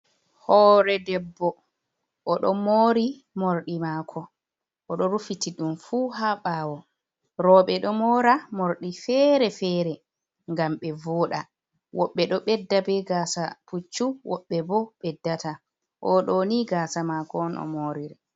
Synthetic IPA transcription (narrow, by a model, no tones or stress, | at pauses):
hɔɾɛdɛbːɔ | ʔɔɗɔmoːɾi | moɾɗimakʰɔ | ʔɔɗɔɾufitiɗumfuːɦaɓaːwɔ | ɾɔɓɛɗɔmɔɾamoɾɗifɛɾɛfɛːɾɛ | ŋɡamɓɛvɔːɗa | wɔɓːɛɗɔɓɛdːabɛɡaːsaput͡ʃːuwɔɓːɛbɔɓɛdːata | ʔɔɗɔniɡaːsamakɔnɔ̰moːɾiɾɛ